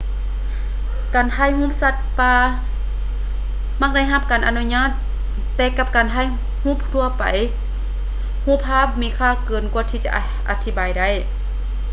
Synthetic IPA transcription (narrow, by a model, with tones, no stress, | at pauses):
kaː˨nhʰa˧˥˨jhuː˧˥˨p̚sa˧t̪̚paː˧ | ma˧˥k̚da˧˥˨jɦa˧p̚kaː˨˩nʔa˨nu˧˥ɲaː˧˥˨t̪ː | ɛː˧˩ka˧˩p̚kaː˨ntʰa˧˥˨j | huː˧˥˨p̚t̪ʰu˧ɐpa̰˨j | huː˧˥˨p̚ʰaː˧˥˨p̚miː˧˥kʰaː˧˨kɤː˨˩nku˧ət̪ʰiː˧˩t͡ɕa̰˧ | ʔa˧t̪ʰi˧˩baː˨jda˧˥˩j